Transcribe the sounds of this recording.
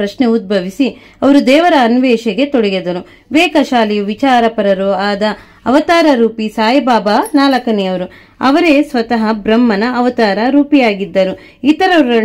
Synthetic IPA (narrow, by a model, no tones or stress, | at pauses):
ɾɐʃneud̪̚bʱɐʋisi | ɐʋɐɾud̪ɛːʋɐɾɐːnʋɛːʃɐɡe̞t̪oɽɛjɐd̪ɐɾu | ʋɛːkɐʃaːlijuʋit͡ʃaːɾɐpɐɾɐɾoaːd̪ɐː | ʋɐt̪aːɾɐɾuːpisaːjɐbaːbanaːlɐkɐnɛjɐʋɐɾu | ɐ̰ʋɐɾesʋɐt̪ɐɦɐbɾɐmːɐnɐːʋɐt̪aːɾɐɾuːpijaːɡid̪ːɐɾu | it̪ɐɾɐɐ